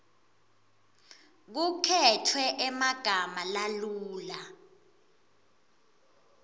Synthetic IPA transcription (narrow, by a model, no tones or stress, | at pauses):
k̬ukʰɛtʰwɛʔɛmaɡ̥ʱamalaluːla